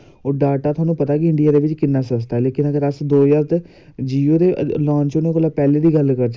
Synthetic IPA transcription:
oːɖaːʈaːt̪ʰʊaːnũːpət̪aːkɪɪ̃ɳɖɪijaːd̪eːʋɪt͡ʃkɪnːaːsəst̪aɛːleːkɪnəɡəɾəsd̪oːjaːɾt̪ | d͡ʒiːoːd̪eːlãːnt͡ʃʊnõkəlaːpɛːleːd̪iːɡəlkəɾd͡ʒ

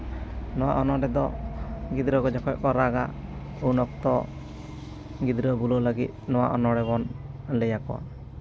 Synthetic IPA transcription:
nɔwa̰ʔɔnɔɖɛd̪ɔɡid̪ɾɔɡɔd͡ʒɔkʰɔʔ̚kɔɾaɡa | unɔk̚t̪ɔ | ɡid̪ɾɔbulɔləɡit̪̚nɔwa̰ʔɔnɔɖɛbɔn | ləjakɔwa̰

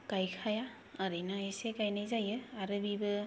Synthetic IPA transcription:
kajkʰaja | əɾɯjnaisekajnajzajɯaɾɯbibɯ

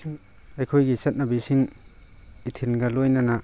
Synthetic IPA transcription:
ɐjkʰojɡisɐt̚nabisiŋ | itʰinɡalojnana

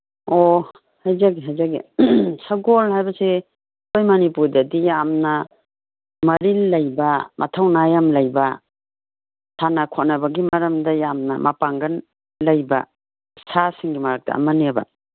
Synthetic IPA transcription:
o | hajzaɡiɦajzaɡḭsaɡolhajbɐse | ojmanipuɾdɐdijamnɐ | mɐɾilːɐjbamʔɐ̰tʰawnajamlɐjba | sʰanakʰonɐbɐɡimɐɾɐmdɐjamnɐ̰mʔapaŋɡɐn | lɐjba̰ | sasiŋɡimaɾak̚tɐ̰ɐ̰mɐneba̰

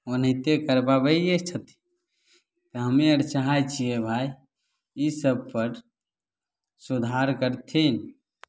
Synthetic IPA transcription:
onɦit̪ekəɾbabəet͡ʃʰət̪i̥ | t̪əɦəmeəɾt͡ʃaɦajt͡ʃʰiebʱai | isəb̚pəɾ | sud̪ʱaɾkəɾt̪ʰin

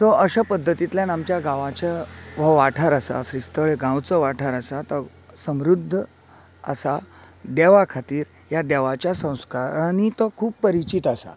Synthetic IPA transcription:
t̪ɔʔəɕapəd̪ʱːət̪it̪ljanamt͡ɕjaɡãʋat͡ɕaʋ̤əʋaʈʰaɾasa̰sɾist̪əɭeɡãwt͡səʋaʈʰaɾasat̪ɔ | səmɾud̪ʱːə | ə̰sa | d̪ɛʋakʰat̪iːɾ | jad̪ɛʋat͡ɕjasə̃w̃skaɾanit̪ɔkʰuːppːəɾit͡ɕit̪asa̰

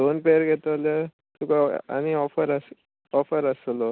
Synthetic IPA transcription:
d̪onpeɾɡʱet̪əle | t̪ukaa̰ñiɔfəɾəs | ɔfəɾəslɔ

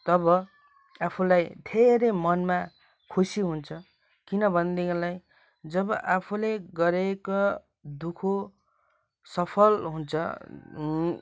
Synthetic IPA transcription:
t̪ʌbʌ | apʰulajd̪ʱeɾemʌnma | kʰusiɦunt͡sʰʌ | kinʌbʱʌnd̪elaj | d͡zʌβʌʔapʰuleɡʌɾeko | d̪ukʰo | sʌpʰʌlɦunt͡sʰʌ̰

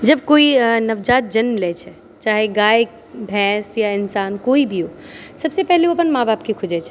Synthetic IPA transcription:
d͡ʒɐb̚koːinɐʋd͡ʒaːt̪̚d͡ʒɐnmlet͡ʃʰɛ | t͡ʃaːɦeɡaːj | bʱɛ̃ːsjaɪnsaːnkoːibʱioː | sɐbsepɛɦleopənmaːbaːpkikʰʊd͡ʒet͡ʃʰɛ̥

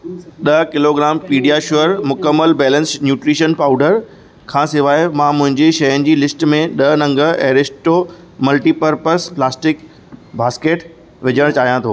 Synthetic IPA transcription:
ɗɐkɪloɡɾaːmpiːɖijaʃʊəɾmʊkəmːəlbɛːlə̃nsnjuːʈɾiːʃənpaːʊɖəɾ | kʰãːsɪʋaːɪmãmʊ̃ɦɪ̃ɲd͡ʑeʃɐjənɪ̆d͡ʑiːlɪsʈmẽɗɐnɐ̃ŋɡə̆ɛːɾɪsʈo | mɐlʈiːpəɾpəɾsplaːsʈɪk | bʱaːskeːʈ | ʋɪd͡ʑʱəɽ̃t͡ɕaːɦijãt̪ʰo̰ː

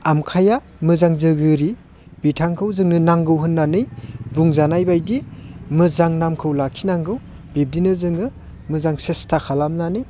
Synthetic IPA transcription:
amkʰaja | mɯzaŋzɯɡɯɾi | b̥itʰaŋkʰɯwzɯŋnɯnaŋɡɯwɦɯnːanɯjbuŋzanajbajdimɯzaŋnamkʰɯwlakʰinaŋɡɯw | b̥ib̚dinɯzɯŋɯ | mɯzaŋsestʰakʰalamnanɯj

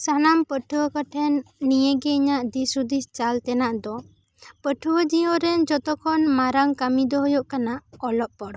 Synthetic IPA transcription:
sanampəʈʰuwəkaʈʰɛnːijɛɡɛiɲaʔd̪isud̪ist͡ʃalt̪ɛnaʔd̪ɔ | pəʈʰuwəd͡ʒiɔɾɛnd͡ʒɔt̪ɔkʰɔnmaɾaŋkamid̪ɔɦɔjoʔkanaɔlɔʔpɔɽ

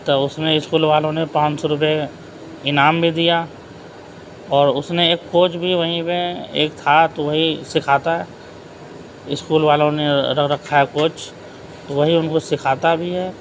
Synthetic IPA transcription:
t̪oʊsneɪskuːlʋaːlõnepãːt͡ʃsɔɾʊp̬e | ɪnaːmbʱid̪ija | ɔːɾʊsneeːkːoːt͡ʃbʱiʋɐɦĩpeḛːkt̪ʰat̪oʋɐɦisɪkʰaːt̪aɦɛː | ɪskuːlʋaːlõneɾɐɾɐkʰːaɦɛkoːt͡ʃ | t̪oʋɐɦiʊnkosɪkʰaːt̪abʱiɦɛː

